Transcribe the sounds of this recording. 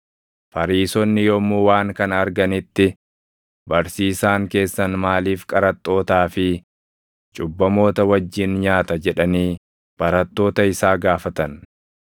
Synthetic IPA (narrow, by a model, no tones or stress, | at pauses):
fɐɾiːsɔnːɪjɔmuːwaːŋkɐnɐɾɡɐnɪt̪ːɪ | bɐɾsiːsaːŋke̞ːsːɐnmaːliːfkʼɐɾɐt̪ʼːo̞ːt̪aːfɪ | t͡ʃʼʊbːɐmo̞ːt̪ɐwɐd͡ʒːɪnɲaːt̪ɐd͡ʒɛᶑɐniː | b̥ɐɾɐt̪ːo̞ːt̪ɐɪsaːɡaːfɐt̪ɐn